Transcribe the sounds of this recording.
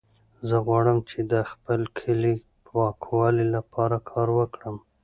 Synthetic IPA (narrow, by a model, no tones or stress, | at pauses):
zəɣwɑɽəmt͡ʃed̪əxpəlkʰəli | wɑkwɑlilapʰɑɾakʰɑɾwəkɽəm